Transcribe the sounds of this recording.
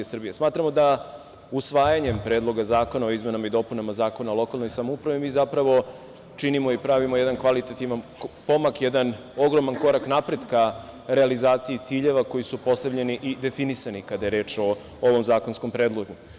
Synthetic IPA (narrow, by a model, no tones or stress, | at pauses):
esr̩bijesmaːt̪ɾamo̞d̪a | usʋaːjaɲe̞mpɾeːd̪lˠo̞ɡazaːko̞nao̞izme̞namaid̪o̞punamazaːko̞nalˠo̞kalˠnojsamoupɾaʋimiːzapɾaʋo̞ | t͡ʃinimo̞ipɾaʋimo̞jed̪ankʋalit̪at̪iʋanpo̞makjed̪an | o̞ɡɾo̞manko̞ɾaknapɾe̞d̪kaɾe̞alizaːt̪sijit̪siːʎe̞ʋako̞jisupo̞st̪abʎe̞niʔid̪e̞finisanikad̪ajeɾe̞ːt͡ʃo̞ | oʋo̞mzaːko̞nsko̞mpɾe̞ːd̪lˠo̞ʒɲu